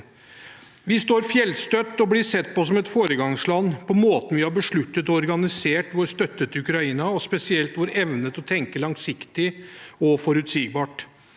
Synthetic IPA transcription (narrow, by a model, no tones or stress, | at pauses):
ʋɪst̪oːɾfjɛlst̪œt̪ːɔblɪsɛt̪ːpɔsɔmɛt̪foːɾəɡɑŋslɑnːpʰɔmoːt̪n̩ʋɪhɑbəʂɭʉt̪ːət̪ɔɔɾɡɑnɪseːʈʋɔɾst̪œt̪ːət̪ʉkɾɑiːnɑɔspɛsɪɛlt̪ʋʊɾɛʋnət̪ɔt̪ʰɛŋkəlɑŋsɪkt̪ɪɔfɔɾʉt̪siːɡ̚bɑːʈ